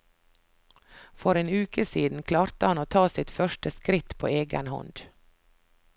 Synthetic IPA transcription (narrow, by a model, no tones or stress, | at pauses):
fɔɾeːnʉːkəsiːd̪n̩kʰlɑːɾt̪əhɑnoːt̪ʰɑːsɪt̪fœʃʈəskɾɪt̪pʰo̰ːeːɡə̰nhɔ̰nd̪̥